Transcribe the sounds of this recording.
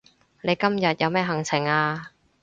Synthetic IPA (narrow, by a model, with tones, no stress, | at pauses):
le˨˧jkɐ˥mjɐ˨t̚jʔɐ˨˧wmɛː˥ɦɐ˨˩ŋt͡sʰɪ˨˩ŋaː˧